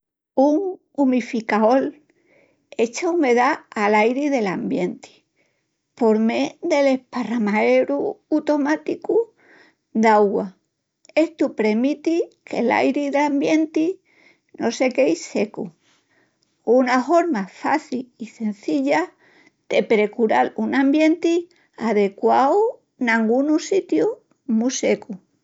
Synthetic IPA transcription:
uŋ | umifikao̞l | e̞t͡ʃaume̞ðaalajɾiðe̞lambje̞nt̪i̥ | po̞ɾme̞ðe̞lehparamae̞ɾuat̪o̞mat̪iku | d̪aɣwa | e̞ht̪upɾe̞mit̪ikʰe̞̰la̰jɾiðambje̞nt̪i | no̞se̞ke̞jse̞ku | unafo̞ɾmafa̰θilise̞n̟θiʎa | d̪̥e̞pɾe̞kuɾalunãmbje̞nt̪i | aðe̞kwao | nãŋɡunusit̪ju | muse̞ku

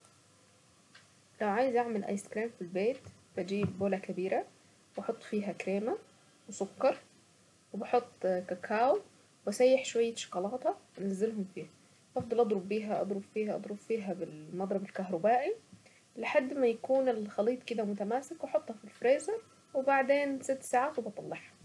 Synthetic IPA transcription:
lawʕaːjɪzʔaʕmelʔæ̰jskɾiːmfilbeːt̪b̥æd͡ʒiːbboːlækæbiːɾa | wɑħot̪ˤːfiːɦækɾeːma | wɪsʊkːɑɾˤ | wɪbɑħot̪ˤːkækʰaːw | bæsæjːeħʃowajːaʃɑ̥kɑlɑːt̪hɑænæzːɪlɦʊmfiːhæ | ʔɑfd̪ˤɑlʔɑd̪ˤɾʊbːiːɦæʔɑ̰d̪ˤɾʊb̥fiːhæʔɑ̰d̪ˤɾʊb̥fiːɦæbɪlmɑd̪ˤɾˤɑbɪlkaɦɾˤʊbaːʔi | lɪħad̪ːmæjakuːnɪlxɑliːt̪ˤkɪd̪æmʊt̪æmaːsɪkwɑħot̪ˤːhɑfilfɾeːzɑɾ | wɪbaʕd̪eːnsɪt̪ːsaːʕaːt̪wɪbɑt̪ˤɑlːɑħhɑ̥

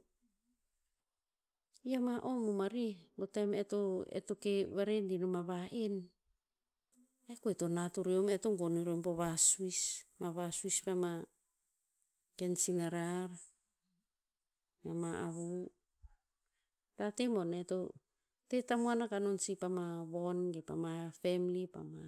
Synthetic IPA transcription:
iamaʔo̞mumaɾibotametoḛtokeβaɾendinomaβaʔen | ekoeto̞natuɾeometoŋɡoniɾompoβasuismaβasuispama | kensinaɾaɾ | mamaaβu | tatemo̞neto | te̞tamuanakano̞nsipamaβo̞nɡepa̰mafemlipa̰ma

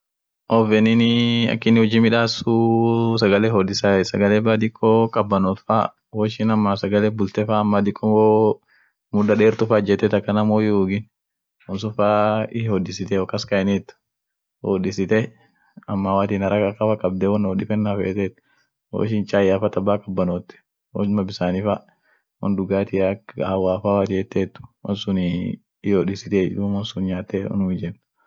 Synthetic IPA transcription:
ʔɔfɛnɪnɪɐ̰kːɪnɪhɔd͡ʒimɪᶑaːsusɐɡɐlɛɦɔːd̪ɪsaɛsɐɡɐlɛːbaːd̪ɪkʼːoːkʼɐbːɐnɔlfa̰ː | wɔʃɪnɐmːaːsɐɡɐlɛbʊlt̪ɛfaːmːaːd̪ɪkʼːɔmoː | mʊᶑɐɗeːɾt̪ʊfaːd͡ʒɛt̪ːɛt̪ɐkːɐnɐmoːjuuːɡɪn | ɔnsʊfaːɪhɔd̪ɪsɪt̪ɛɔkːɐskɐɪnɛt̪ː | odɪsɪt̪ɛ | ɐmːawaːt̪iːnɐɾɐkɐkːɐfɐkʼːɐb̚d̪ɛwɔnoːdɪfɛnːafḛːt̪ɛt̪ː | o̰ʃɪnt͡ʃʼaːjafɐt̪ɐbːaːkːɐbːɐnoːt̪ːɛ̥ | wɔ̰mɐbɪsaːnɪfa | wɔ̰nd̪ʊɡaːt̪ɪakːwaːfaːwat̪ɪɛt̪ːɛt̪ːʊ̥wɔnsʊn | ɪɔdɪsɪt̪ed̪umɔnsʊnɲaːt̪ːewɔ̰nʊmɪd͡ʒɛn

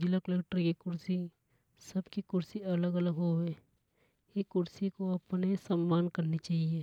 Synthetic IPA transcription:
d͡ʒɪləkleːkʈəɾkikʊɾsi | sɐbkikʊɾsiɐləɡələɡɦoe | ekʊɾsikoɐpnesɐmːaːnkɐɾnit͡ʃaːɦieː

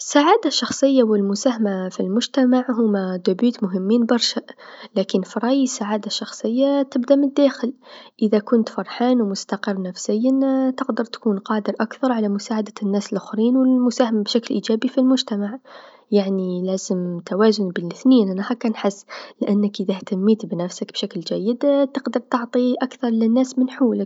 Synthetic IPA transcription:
ʔəsːaʕaːd̪aʃːɑxsˤəjːawəlmʊsæhamafilmʊʒt̪amaʕɦʊmːæd̪ʊbyːt̪mʊɦəmːiːnbɑɾˤʃaʔlækənfɾˤɑjisaʕaːd̪aʃːɑxsˤəjːat̪əbd̪amənd̪ːæxəlʔəðækʊnt̪fɑɾˤħaːnwmʊst̪ɑqərˤːnæfsəjːənt̪əqd̪ɑɾˤt̪kuːnqɑːd̪əɾˤʔakθɑɾˤʕalamʊsaʕad̪anːæːsəlʔʊxɾiːnwəlmʊsaːhamabʃaklʔiːd͡ʒæːbifilmʊʒt̪amaʕ | jaʕnilæːzəmt̪awaːzʊnbəlɪθniːnʔanahækːænħɪsːlɪʔanːəkʔəðæht̪amːiːt̪bnæfsakb̥ʃakld͡ʒæjːəd̪t̪əqd̪ɑɾˤt̪ɑʕt̪ˤiʔakθɑɾˤlɪnːæːsmɪnħuːlɪk

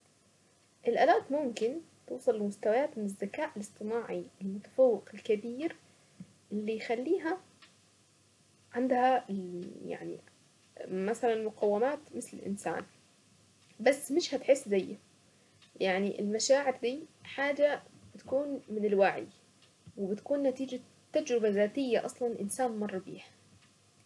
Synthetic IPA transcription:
ʔɪlʔa̰laːt̪mʊmkɪn | t̪uːsˤɑlːmʊst̪awajaːt̪mɪnɪzːakaːʔɪlɨsˤt̪ˤɨnaːʕiɪlmʊt̪ḁfawːɪqɪlkabiːɾ | ʔɪlːijxalːiːɦa | ʕand̪haɪja̰ʕnḭ | masalanmʊqawːɪmaːt̪mɪθlɪ̰lʔɪ̰nsa̰ːn | basːmɪʃhat̪ħɪsːzajː | jaʕniʔɪ̰lmaʃaːʕɪɾd̪iːħaːd͡ʒab̥ɪt̪kuːnmɪnɪlwaʕ̰j | wɪbɪt̪kuːnːat̪iːd͡ʒa | t̪ːad͡ʒɾɪbazaːt̪ɪjːaʔɑsˤlɑnʔɪ̰nsaːnmɑrˤːɑbḭːħ

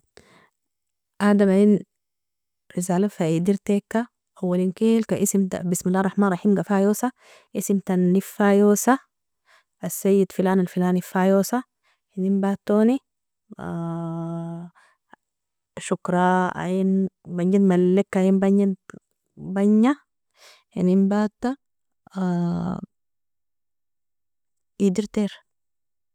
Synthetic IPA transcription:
ʔad̪amajin | ɾizaːlafaid̪iɾt̪eːkːa | ʔawːalinkeːlkaʔisimt̪abismilːaːrˤɑħmaːnˤɑħiːmɡafajoːsa | ʔisimt̪anːifaːjoːsa | ʔasːajːid̪filaːnalfilaːnifaːjoːsa | hinimbaːt̪ːoːni | ʃukɾˤɑa̰jinbaɲd͡ʒit̪malːekːainbaɲːa | baɲːa | hḭnimbaːt̪ːa | id̪iɾt̪eɾ

